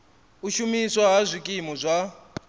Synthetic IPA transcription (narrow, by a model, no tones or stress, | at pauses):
uʃumiswaɦazʷikʼimɔzʷa